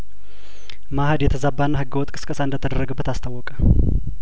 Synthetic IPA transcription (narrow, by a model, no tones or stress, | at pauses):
mahəd̪jɛt̪ʰəzabːanːahɨɡəwɔt̪ʼkʼɨ̥skʼəsaɨnd̪ət̪ʰəd̪əɾːəɡəbːət̪ʰast̪ʰawːɔkʼə